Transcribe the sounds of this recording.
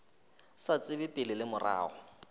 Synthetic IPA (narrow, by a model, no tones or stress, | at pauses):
sat͡sʼɪbɪpʼɪlɪlɪmʊra̰ːɔ